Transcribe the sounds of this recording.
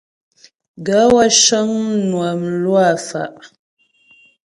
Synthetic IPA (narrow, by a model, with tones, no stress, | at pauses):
ɡa˨˦wa˦ʃə˦ŋnwa˨mlwa˦˨fa̰˨ʔ